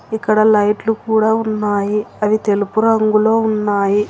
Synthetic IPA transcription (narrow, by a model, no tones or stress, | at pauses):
ikːɐɽɐlɐjʈlukuːɽaːunːaːjiɐʋit̪e̞lupuɾɐŋɡulo̞ːunːaːji